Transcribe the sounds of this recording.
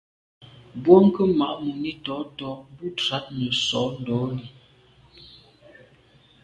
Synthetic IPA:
bwo˦ŋ˦kə˦ma˨ʔmu˨ni˦tɔ˨˦tɔ˦bu˦ta˨˦t̚nə˨sɔ˨˦n̩˨dɔ˨˦li˨

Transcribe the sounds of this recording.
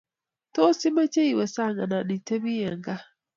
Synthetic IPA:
to˦si˦ma˦t͡ʃe˦i˨wɛ˨sa˦˨ŋɡa˨na˨ɗi˨te˦bi˦ɛ˨ŋɡa˦

